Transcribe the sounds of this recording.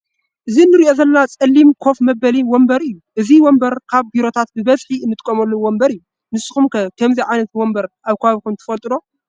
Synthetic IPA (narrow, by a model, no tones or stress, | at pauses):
ʔɨzinːɨɾiʔo̞zɐlːat͡sʼɐlːimkʰo̞fmɐbɐliwɔmbɐɾɨjːuʔɨziwɔmbɐɾkʰaβbiɾo̞t̪ʰat̪̚bɨβɐzħiɨnːɨt̪ʼkʼːɐmɐlːowɔmbɐɾɨju | nɨsːɨ̥xumkɐkʰɐmziʕajnɐt̪wɔmbɐɾʔaβkʰɐβaβikʰumt̪ʰɨ̥fɐlt̪ʼɨd̪o̞